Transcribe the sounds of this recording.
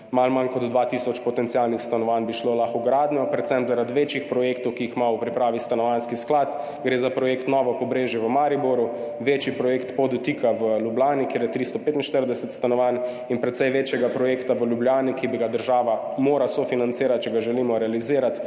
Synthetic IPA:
malmankɔd̪d̪ʋat̪isɔt͡ʃpɔt̪ɛnt̪ijalnixst̪anɔʋanbiʃlolaxuɡɾaːd̪nʲjɔpɾɛt̪sɛmpzaɾad̪ʋeːt͡ʃixpɾɔjekt̪ɔwkiixmaupɾipɾaːʋist̪anɔʋanskisklat̪ | ɡɾeːzapɾɔjeːkt̪nɔʋɔpɔbɾeːʒjɛʋəmaɾiboɾuʋeːt͡ʃipɾɔjeːkt̪pɔd̪ɔt̪iːkʰaʋəlʲjublʲaːnikeːɾjɛt̪ɾist̪ɔpet̪inʃt̪əɾd̪ɛsɛt̪st̪anɔʋan | inpɾɛt̪sɛjʋeːt͡ʃjɛɡapɾɔjeːkt̪aʋəljublʲjaːnikibiɡad̪əɾʒaːʋa | moːɾasofinant̪siːɾat̪̚t͡ʃɛɡaʒɛliːmɔɾɛaliziːɾat̪

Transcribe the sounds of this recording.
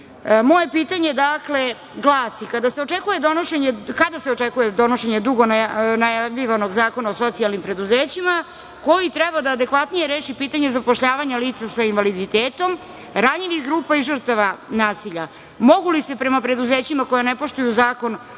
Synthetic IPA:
mo̞je̞piːt̪aɲe̞d̪akle̞ | ɡlˠaːsikad̪ase̞o̞t͡ʂekuje̞d̪o̞noʃeɲekad̪aseot͡ʂekuje̞d̪o̞no̞ʃe̞ɲed̪uɡo̞nanajaiʋano̞ɡzaːko̞naoso̞t̪sialˠnimpɾe̞d̪uzeːt͡ɕima | ko̞jit̪ɾɛbad̪aːd̪e̞kʋat̪nije̞ɾe̞ːʃipiːt̪aɲe̞zapoʃʎaːʋaɲaliːt̪sasainʋalid̪it̪eːt̪o̞m | ɾaɲiʋixɡɾuːpaiʐr̩t̪aʋanaːsiʎa | mo̞ɡulise̞pɾemapɾe̞d̪uzeːt͡ɕimako̞janepo̞ʃt̪ujuzaːko̞n

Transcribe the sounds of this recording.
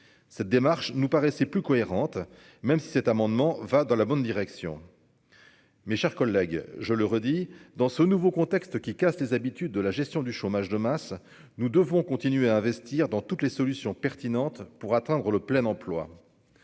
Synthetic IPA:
sɛt̪̚d̪emaʁʃnupaʁɛsɛplykɔeʁɑ̃t̪ | mɛmsi̥sɛt̪amɑ̃d̪mɑ̃vad̪ɑ̃labɔnd̪iʁɛksjɔ̰̃ | meʃɛʁkɔlːɛɡʒələʁəd̪id̪ɑ̃sənuvokɔ̃t̪ɛkst̪kʲikaslezabit̪yd̪ːəlaʒɛst̪jɔ̃d̪yʃomaʒd̪əmas | nud̪əvɔ̃kɔ̃t̪inɥeaɛ̃vɛst̪iʁd̪ɑ̃t̪ut̪lesɔlysjɔ̃pɛʁt̪inɑ̃t̪puʁat̪ɛ̃d̪ʁələplɛnɑ̃plwa̰

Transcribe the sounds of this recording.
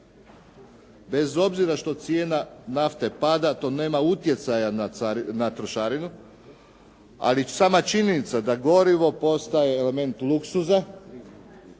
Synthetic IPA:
be̞zo̞bziɾaʃt̪o̞t̪sjeːnanaft̪e̞pad̪at̪o̞ne̞ːmaut̪je̞t̪sajanat̪ɾoʃaɾinu | a̰lisaːmat͡ʃiɲenit̪sad̪aɡo̞ɾiʋo̞po̞st̪aje̞ːle̞me̞nt̪luksuza

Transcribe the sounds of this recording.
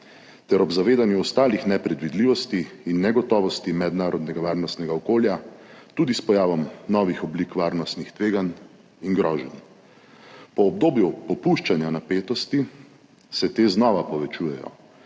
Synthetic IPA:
t̪ɛɾɔbzaʋeːd̪anjuɔst̪aːlixnɛpɾɛd̪ʋid̪liːʋɔst̪iːnːɛɡɔt̪ɔːʋɔst̪imɛd̪naːɾɔd̪nɛɡaʋaːɾnɔst̪nɛɡaɔkoːljat̪uːd̪ispɔjaːʋɔmnɔʋixɔblikʋaːɾnɔst̪nixt̪ʋeːɡan | iŋɡɾɔːʒɛn | pɔːbd̪oːbjupɔpuʃt͡ʃanjanapeːt̪ɔst̪i | sɛt̪eːznɔʋapɔʋɛt͡ʃuːjɛjɔ̰

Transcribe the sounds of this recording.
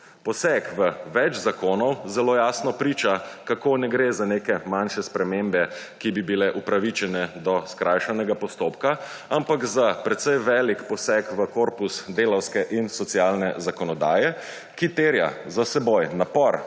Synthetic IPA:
pɔsɛkʋəʋɛd͡ʒzakoːnɔwzɛloːjasnɔpɾiːt͡ʃakakonɛɡɾezaneːkɛmanʃɛspɾɛmeːmbɛ | kibibilɛʔupɾaʋit͡ʃɛnɛd̪ɔskɾʔajʃanɛɡapɔst̪oːpka | ampakzapɾɛt̪sɛjʋɛːlikpɔsɛkʋəkoːɾpusd̪eːlɔwskɛʔinsɔt̪sijaːlnɛzakɔnɔd̪a̰ːjɛ | kit̪eːɾja̰zasɛbojnapɔɾ

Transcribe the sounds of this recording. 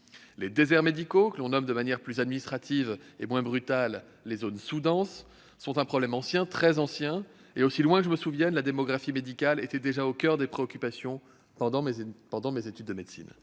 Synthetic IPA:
led̪ezɛʁmed̪ikokəlɔ̃nɔmd̪əmanjɛʁplyzad̪minist̪χat̪ʰivemwɛ̃bʁyt̪alː | ezonsud̪ɑ̃sː | ɔ̃t̪ɛ̃pχɔblɛmɑ̃sjɛ̃t̪χɛzɑ̃sjɛ̃ | eosilwɛ̃kəʒəməsuvjɛnlad̪emɔɡʁafimed̪ikʲalet̪ɛd̪eʒaokʲœʁd̪epχeɔkʲypasjɔ̃ | pɑ̃d̪ɑ̃pɑ̃d̪ɑ̃mezet̪yd̪ːəmed̪sḭn

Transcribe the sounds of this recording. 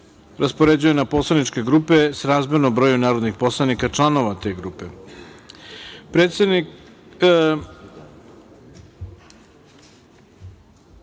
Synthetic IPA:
ɾaspoɾe̞d͡ʑuje̞napo̞slˠanit͡ʃke̞ɡɾupe̞sɾaːzmenombɾo̞junaːɾo̞d̪nixpo̞slˠanikat͡ʃlˠano̞ʋat̪e̞ɡɾuːpe̞ | pɾet̪sed̪ni

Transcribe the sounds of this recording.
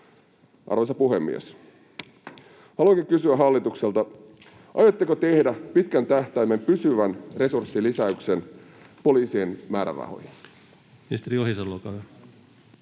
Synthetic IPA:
ʔɑ̰rʋesɑpuɦe̞mːḭḛs | hɑluoŋkiŋkysyæɦɑlːit̪ukselt̪ɑ | ʔɑ̰jot̪ːekot̪e̞hdæpit̪kænt̪æht̪æːmːe̞mpysyʋænre̞sursːilisæykse̞n | po̞liːsienmæːɾæ̰ʋɑ̰ho̰jɑ | mist̪eɾiohisɑlːokɑʋe

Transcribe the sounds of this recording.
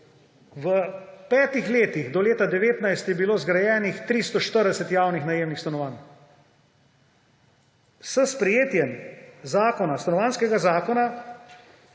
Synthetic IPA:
ʋəpɛːt̪ixleːt̪ixd̪ɔleːt̪ad̪ɛʋeːt̪najst̪jɛbiloːzɡɾajɛːnixt̪ɾist̪ɔʃt̪əɾd̪ɛsɛt̪jaːwnixnajeːmnixst̪anɔʋaːn | səspɾɛjeːt̪jɛmzaːkɔnast̪anɔʋaːnskɛɡazaːkɔna

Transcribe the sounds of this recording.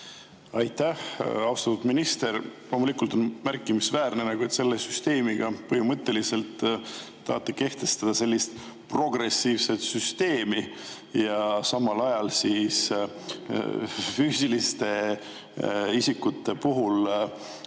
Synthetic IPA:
ɑjt̪ːæhɑwst̪ɑt̪ːud̪minist̪e̞ɾlo̞mulikˑult̪o̞nmærkːˑimisvæːrnenɑɡuet̪se̞lːesyst̪e̞ːmiɡ̥ɑpɤɦimɤt̪ːe̞lise̞lt̪ː | ɑ̰ht̪ːˑeke̞ht̪e̞st̪ɑd̪̥ɑse̞lʲːist̪ | pro̞ɡre̞siːvse̞t̪syst̪e̞ːmi | jɑsɑmːɑlɑjɑlsiːs | fyːsilist̪e̞ | isikːut̪ːe̞puɦul

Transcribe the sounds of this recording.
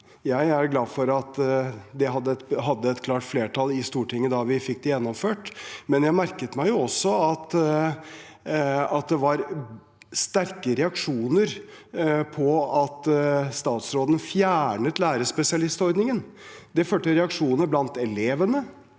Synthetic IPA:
jæɪæɾɡlɑːfɔɾɑt̪d̪ɛɦɑd̪ːəɛt̪ɦɑd̪ːəɛt̪kʰlɑːʈfleːʈʰɑlɪst̪uːʈʰɪŋːəd̪ɑʋɪfɪk̚ːd̪ɪjɛnːɔmføːʈmɛnjæɪmæɾkət̪mæɪjʊɔsːɔɑt̪ | ɑt̪̚d̪ɛʋɑɾ | st̪æɾkəɾɛɑkʂuːnəɾ | pʰɔɑt̪st̪ɑːt̪sɾoːd̪ənfjæːɳət̪læːɾəspɛsɪɑlɪst̪ɔɾd̪nɪŋən | d̪ɛføːʈəɾɛɑkʂuːnəɾblɑnt̪ɛleːʋənə

